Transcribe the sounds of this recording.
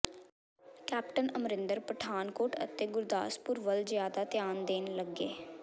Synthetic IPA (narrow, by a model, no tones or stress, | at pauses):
kɛːp̚ʈənəmɾɪ̃nd̪əɾpəʈʰaːnkoːʈə̰t̪eːɡʊɾd̪a̰ːspʊɾʋəlzɪjaːd̪aːt̪ɪjaːnd̪eːnləɡeː